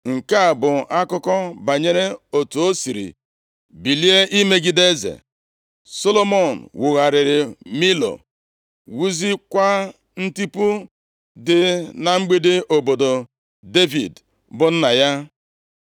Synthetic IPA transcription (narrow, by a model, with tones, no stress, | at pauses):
ŋ̩˨ka˦˨bʊ˨a˦kʊ˦kɔ˦ba˨ɲe˦ɾe˦o˨tu˨o˦si˨ɾḭ˨ | bi˨li˦e˦ʔi˦me˦ɡɪ˦de˦zḛ˨ | so˦lo˦mo˦˨n̩˨wʊ˨ɣa˨ɾɪ˨ɾɪ˨mi˦lo̰˨ | wu˦zi˦kʷa˦ | n̩˦ti˦pu˦ | dɪ˨na˨ŋ͡m̩˦ɡ͡bi˦de˦ʔo˨bo˨do˨ | de˦vḭ˨d | bʊ˨n̩˦na˨ja˦